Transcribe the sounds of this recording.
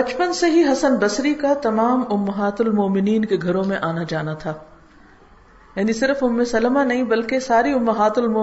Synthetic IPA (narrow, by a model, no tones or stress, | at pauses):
bɐt͡ʃpənseɦiɦɐsənbɐsɾikat̪ɐmaːmʊmːɐɦaːt̪ʊlmɔːmɪniːnkeɡʱɐɾõmẽʔaːnad͡ʒaːnat̪ʰaː | jɐːnisɪɾəfʊmːẽsɐlmanɐɦĩbɐlkesaːɾiʊmːɐɦaːt̪ʊlmɔ